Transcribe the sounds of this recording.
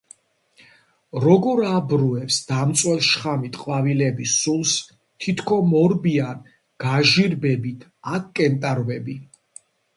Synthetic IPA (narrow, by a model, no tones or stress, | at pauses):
ɾɔɡɔɾabɾuɛpsd̪̥amt̪sʼwɛlˠʃχamit̪ʰʼqʼwavilɛbisulˠs | t̪ʰit̪ʰkʰɔmɔɾbian | ɡ̥aʒiɾbɛbit̪ʰakkʼɛnt̪ʼaɾvɛbi